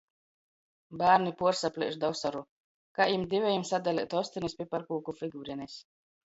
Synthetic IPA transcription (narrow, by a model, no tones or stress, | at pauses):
baːɾnipuɔɾsaplʲḭɛʃd̪awsaɾu | kajimd̪ʲivʲɛjimsad̪alʲḭt̪ɔsʲt̪inispʲipaɾkuːkufʲiɡuːɾiɛnʲes